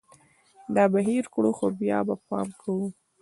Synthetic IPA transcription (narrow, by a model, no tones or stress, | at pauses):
d̪ɑbaɦiɾkɽuxobjɑbapɑ̰mkʰawu